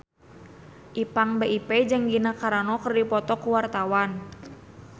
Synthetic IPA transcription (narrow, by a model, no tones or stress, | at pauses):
ʔipaŋbeʔipɛd͡ʒɨŋɡinakaɾanɔkərdipɔt̪ɔkuwart̪awan